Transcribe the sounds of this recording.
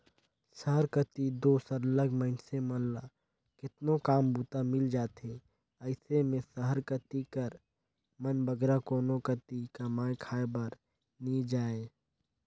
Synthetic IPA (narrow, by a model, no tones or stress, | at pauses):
səɦəɾkət̪id̪oːsəɾləɡməɪnsemənla | kɪt̪nokaːmbuːt̪amɪld͡ʒaːt̪e | əɪsemẽsəɦəɾkət̪ikəɾ | mənbəɡɾakoːnokət̪ikɐmaːekʰaːebəɾ | nid͡ʒaːe